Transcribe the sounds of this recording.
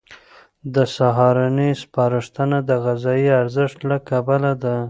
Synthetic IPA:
d̪əsaɦɑɾanispɑɾɪʂt̪ənad̪əɣazɑjiaɾzɪʂt̪lakabalad̪a

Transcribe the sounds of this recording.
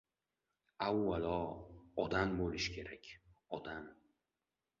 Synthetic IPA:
awːalɒːd̪ambolɪʃkʲʰe̞ɾakʲʰɒd̪am

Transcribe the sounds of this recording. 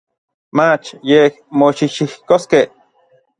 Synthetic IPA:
mat͡ʃjehmoʃiʃihkoskeh

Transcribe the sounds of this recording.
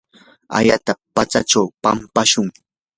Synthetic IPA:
a̰ʎat̪apat͡saʈ͡ʂawpa̰mpaʃʊŋ

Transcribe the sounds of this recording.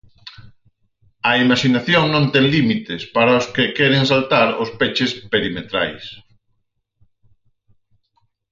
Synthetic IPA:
ɐimaʃinaθjoŋnõnt̪ɛŋlimit̪ɪspaɾaʊskekɛɾeŋsalt̪aɾʊspet͡ʃɪspeɾimet̪ɾa̰js

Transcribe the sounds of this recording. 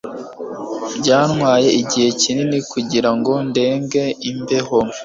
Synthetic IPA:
bɟaːnŋwaːje̞iɟihe̞cininikuɟiɾaŋɡo̞nde̞ːŋɡe̞imbe̞ɦom

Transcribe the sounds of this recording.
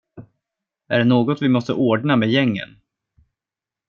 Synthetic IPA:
æɖɛnoːɡɔt̪vɪmɔst̪ə̰ʔoːɖɳamejɛŋːə̰n

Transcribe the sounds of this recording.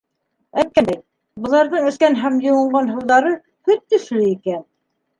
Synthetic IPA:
æk̚kːænd̪æj | bɤ̆lˠɑɾðɤɴɘ̆θkænɦæmjŏwɤ̆ɴɢɑnɦɤ̆lˠðɑɾɤ | hɵt̪ːɵ̆ʃlɵikæn

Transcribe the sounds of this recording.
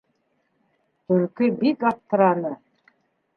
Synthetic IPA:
ɵ̆ɾkɘbikɑft̪ɤ̆ɾɑnɤ

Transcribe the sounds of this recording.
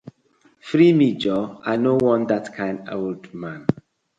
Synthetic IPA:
fɾimid͡ʒɔanowɔ̃ndatkʰãɪ̃ndaldmãn

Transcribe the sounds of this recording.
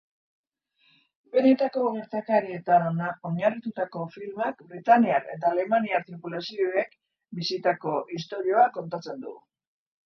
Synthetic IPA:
be̞ne̞t̪ako̞ɣe̞ɾt̪akaɾie̞t̪anonao̞ɲarit̪ut̪ako̞filmakbɾit̪aniaɾe̞̰t̪aːle̞maniaɾt̪ɾipulasioe̞k | bisit̪ako̞ʔist̪o̞ɾio̞ako̞nt̪at͡se̞nd̪ṵɣṵ

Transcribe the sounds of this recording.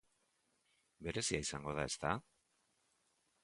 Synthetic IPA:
be̞ɾe̞siaisaŋɡo̞ð̞ae̞st̪a

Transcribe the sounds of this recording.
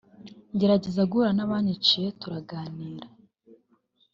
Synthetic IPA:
ɲɟe̞ɾaɟezaɡuɾanaβaːɲit͡ʃijetuɾaɡaːniːɾa

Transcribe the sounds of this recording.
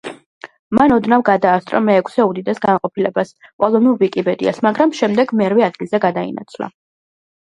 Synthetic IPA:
manɔd̪navɡad̪aːst̪ʼɾɔ̰mɛːkʷʰsɛud̪id̪ɛsɡanqʼɔpʰilɛbasqʼɔlˠɔnilˠvikʼipʼɛd̪ḭa̰smaɡɾamʃɛmd̪ɛɡmɛɾvɛad̪̚ɡilˠzɛɡad̪aḭna̰t̪sʰla̰

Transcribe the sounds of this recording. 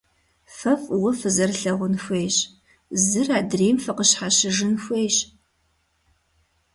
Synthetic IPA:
fɐfwʊfɨzɐrɬɐʁʷʊnxʷeːjɕ | zɨraːdreːmfɨqəɕħaɕɪʒɨnxʷejɕ

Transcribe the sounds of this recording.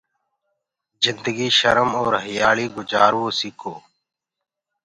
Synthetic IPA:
zɪnd̪əɡiːʃə̰ɾəmɔːɾɦəjaːɭiːɡʊd͡ʒaːɾwoːsikʰoː

